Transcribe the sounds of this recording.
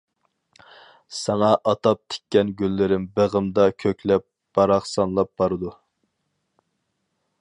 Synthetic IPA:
sɑŋɑʔɑt̪ɑp̚t̪ʰe̥kʲːɛnɡʲylːɪɾɪmbeʁəmd̪ɑkʲʰøkʲlɛp̚ | b̥ɑɾɑχsɑnlˠɑp̚b̥ɑɾɨd̪u

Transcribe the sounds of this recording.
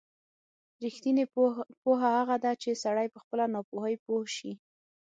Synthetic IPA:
ɾixt̪inepoɦahaɣad̪at͡ʃesaɽajpəxpəlanɑpoɦəjpohʃi

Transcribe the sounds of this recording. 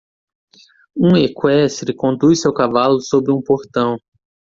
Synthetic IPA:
ũekwɛst̪ɾɪkõnd̪usɪawkavalʊsobɾɪũpoɾt̪ɐ̃w̃

